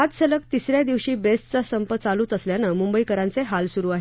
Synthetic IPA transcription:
ad͡zsələk̚t̪isɾjad̪iʋɕiːbesʈt͡sasəmpət̪̚t͡saluːt͡səsljanəmumbəikəɾãnt͡seɦalsuɾuːaɦe

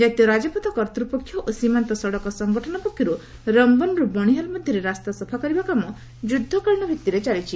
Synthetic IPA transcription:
d͡ʒat̪jɔɾad͡ʒɔpɔt̪ɔkɔɾt̪ɾupɔkʰːjɔʔosimant̪ɔsɔɽɔkɔsɔŋɡɔʈʰɔnɔpɔkʰːjɔɾu | ɾɔmbɔnɾubɔɽ̃iɦɔlmɔd̪ʱjɔɾeɾast̪asɔpʰakɔɾibakamɔ | d͡ʒud̪ʱːɔkɔɭɳ̃ɔbʱit̪ːiɾet͡ʃalit͡ʃʰi

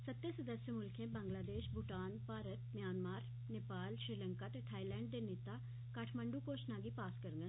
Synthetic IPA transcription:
sət̪ːeːsəd̪əsjəmʊlkʰẽːbãːŋɡlaːd̪eːʃbʊʈaːnpaːɾət̪mjaːnmaːɾ | neːpaːlʃɾiːləŋkaːt̪eːt̪ʰaːilɛ̃ːɳɖ̚d̪eːneːt̪aː | kaʈʰməɳɖuːkoːʃnaːɡiːpaːskəɾŋɡə

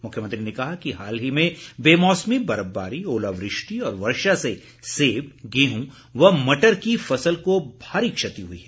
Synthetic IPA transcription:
mʊkʰjəmɐ̃nt̪ɾinekɐɦakiɦaːlɦimẽbeːmɔːsmibɐɾəbːa̰ːɾioːlaːʋɾɪʃʈiɔːɾʋɐɾʃase | seːbɡeːɦũ | ʋɐɦmɐʈəɾkifɐsəlkobʱaːɾikʃɐt̪iɦuḭɦɛː

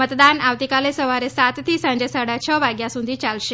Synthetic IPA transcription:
mət̪d̪anaʋt̪ikalesəʋaɾesat̪t̪ʰiːsãɲd͡ʑesaɽat͡ɕʰəʋaɡjasũnd̪ʱiːt͡ɕalɕe

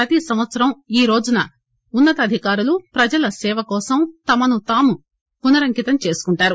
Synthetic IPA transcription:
ɾɐt̪isɐmʋɐt̪sɐɾɐmiːɾo̞ːd͡ʒunɐ | unːɐt̪ɐd̪ʱikaːɾulupɾɐd͡ʒɐlɐsɛːʋɐkɔːsɐmt̪ɐmɐnut̪aːmu | punɐɾɐŋkit̪ɐmt͡ʃe̞ːsu̥kuɳʈaːɾu

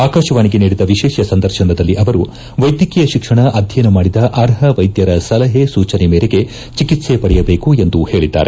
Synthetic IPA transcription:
aːkaːʃɐʋaːniɡe̞niːɽid̪ɐʋiʃɛːʃɐsɐnd̪ɐɾʃɐnɐd̪ɐlːiʔɐʋɐɾu | ʋɐjd̪jɐkijɐʃikʂɐɳɐʔɐd̪ʱjɐjnɐmaːɽid̪ɐʔɐɾɦɐʋɐjd̪jɐɾɐsɐlɐɦesuːt͡ʃɐnemeːɾeɡe̞ | t͡ʃikit̪sepɐɽɛjɐbe̞ːkue̞nd̪uhe̞ːɭid̪ːa̰ːɾe

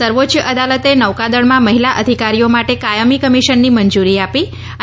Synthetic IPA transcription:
səɾʋot͡ʃjəʔəd̪alət̪enəʋkad̪əɽmãməɦilaʔəd̪ʱikaɾijomaʈekajəmikəmiʃənːimənd͡ʒuɾiapi | ə

